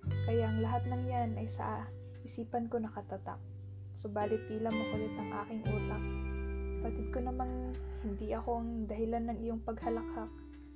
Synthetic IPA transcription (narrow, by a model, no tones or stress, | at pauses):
kɐjaʔɐŋlɐɦat̪̚nɐŋjanɐjsɐ̰ʔa | ʔɪsiːpɐnko̞nɐkɐt̪ɐt̪a̰p̚ | sobaːlɪt̪̚piːlɐmokɐlɪt̪ɐŋʔa̰ːkɪŋʔuːt̪ɐk̚pɐt̪ɪd̪̚konɐmanhɪnd̪iʔɐko̞ʔɐŋd̪ɐhɪlanːɐŋɪjoŋpɐɡhɐlɐkhak̚